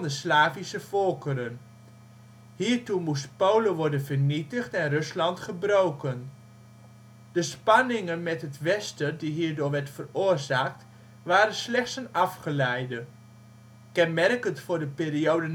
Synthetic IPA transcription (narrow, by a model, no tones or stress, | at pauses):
ndəslaːvisəfɔlˠkəɾən | hiːɹtumustpowləʋɔɹdənvərnitəχtɛnrɵslɑntχəbrowkən | d̥əspɑnɪŋənmɛtɦətʋɛstədiɦiːɹdʊːɹʋɛɹtfərʊːrzaːk̚t | ʋaːɾənslɛχtsənɑfχəlɛjdə | kɛnmɛrkəntfʊːrdəpiːriowdən